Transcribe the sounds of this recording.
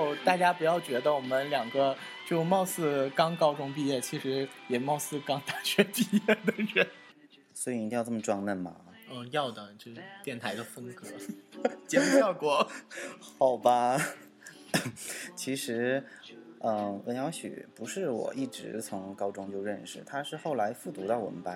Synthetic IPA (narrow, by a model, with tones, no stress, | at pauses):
jo˥˩ʊt̪a˥˩t͡ɕja˥pu˧˥jɑ˥˩ʊt͡ɕɥɛ˧˥d̪ə˧wɔ˨˩mə˦nljɑ˨˩ŋɡə˦ | t͡ɕo˥˧˩mɑ˥˧ʊsɹ̩˥˩kɑ˥ŋkɑ˥ʊʈ͡ʂʊ˥˧ŋpi˥˧jɛ˥˩t͡ɕʰi˧˥ʂɻ̩˧˥jɛ˨˩mɑ˥˧ʊsɹ̩˥˧kɑ˥ŋt̪a˥˩t͡ɕʰɥɛ˧˥pi˥˧jɛ˥˩d̪ə˩ɻə˥n | swɔ˧˥i˨˩ni˧˥i˥˧jt͡sʈ͡ʂmə˩ʈ͡ʂwɑ˥ŋnə˥˩nmɐ̰˩ | ə˥˧jɑ˥˩ʊd̪ə˩t͡ɕo˥˧ʂt̪jɛ˥˩nt̪ʰa˧˥ɪd̪ə˧fə˥ŋkɤ˧˥t͡ɕjɛ˧˥m˥jɑ˥˩ʊkwɔ˨˧˩xɑ˨˩ʊbɐ˦ | t͡ɕʰi˧˥ʂɻ̩˧˥ | ə˥˧˩wə˧˥njɑ˧˥ʊɕy̰˨˩pu˧˥ʂɻ̩˥˩wɔ̰˨˩ʔi˥˩ʈ͡ʂɻ̩˧˥t͡sʰʊ˧˥ŋkɑ˥ʊʈ͡ʂʊ˥ŋt͡ɕjo˥˧ʊɻə˥˩nʂɻ̩˨˩t̪ʰa˥ʂɻ̩˥˧xo˥˩ʊla˧˥ɪfu˥˩t̪u˧˥t̪ɑ˥˩wɔ̰˨˩ə˦pa˥